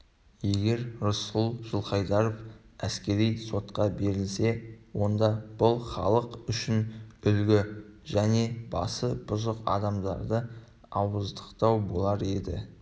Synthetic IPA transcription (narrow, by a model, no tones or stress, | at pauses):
je̞ɡʲe̞ɾɾʊsʊlˠʒ̥ʊlˠχɑjd̪ɑɾofæskʲe̞ɾijso̞t̪qɑbe̞ɾɪlse̞wo̞nd̪ɑb̥ʊlˠχɑ̰lˠəqʏʃɪnʏlɡʲɪʒæne̞b̥ɑ̰səbʊzəqɑ̰d̪ɑmd̪ɑ̰ɾd̪ə | ɑwəzd̪ə̥qt̪ɑwbo̞lˠɑɾe̞d̪ɪ̰